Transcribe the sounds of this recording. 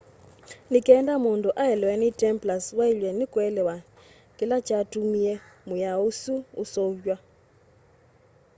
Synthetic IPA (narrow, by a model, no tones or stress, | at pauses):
nikʼɛndamuntʼuʔaɦɛlwɛnitʼɛmplaswailwɛnikʼwɛlɛwa | kʼilat͡ʃʰʼatʼumijɛmujausṵːsot͡ʃʼwa